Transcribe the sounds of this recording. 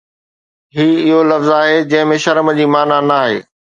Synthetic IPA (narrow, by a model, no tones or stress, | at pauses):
ɦiːɪɦolɐfzaːɦed͡ʑɐ̃ɦɪ̃mẽʃɐɾəməd͡ʑiːmaːnanaːɦḛː